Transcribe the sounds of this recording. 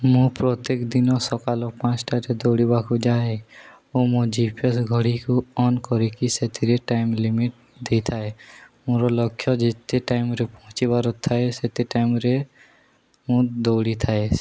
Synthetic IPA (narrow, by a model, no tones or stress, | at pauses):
mũpɾɔt̪ekd̪inɔsɔkalɔpãt͡ʃʈaɾed̪owɽibakud͡ʒae | omod͡ʒipʰiɔsɡʱɔɽikuɔnkɔɾikiset̪ʰiɾeʈajmlimiʈ̚ | d̪ejt̪ʰaemũɾɔlɔkʰːjɔd͡ʒet̪eʈajmɾepɔɦũt͡ʃibaɾɔt̪ʰːaeset̪eʈajmɾe | mũd̪owɽit̪ʰae